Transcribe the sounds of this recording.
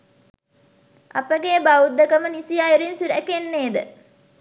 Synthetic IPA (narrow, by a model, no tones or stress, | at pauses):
ɐ̰pəɡeəbaud̪ːəkəmənisijaeɾinsuɾæ̰kenːeːd̪ə̰